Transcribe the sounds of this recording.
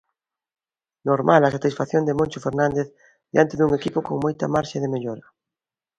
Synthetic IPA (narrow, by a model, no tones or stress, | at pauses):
noɾmʔalasat̪isfaθjond̪emõnʲt͡ʃofeɾnãnd̪eθ | ðeant̪eðuŋekipokoŋmojt̪amaɾʃaðemeʎoɾɐ